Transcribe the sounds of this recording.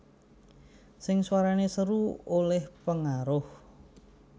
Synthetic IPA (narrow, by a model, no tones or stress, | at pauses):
sɪŋswaɾanesəɾuolɛhpəŋaɾʊh